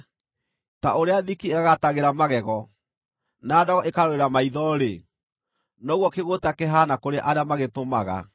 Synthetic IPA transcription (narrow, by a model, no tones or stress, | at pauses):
ta̰oɾeaðikieɣaɣataɣeɾamaɣɛɣɔ | naːdɔɣɔʔekaɾoeɾamaiðɔɾe | nɔɣwɔkeɣotakeɦanakoɾeʔaɾeamaɣetomaɣa̰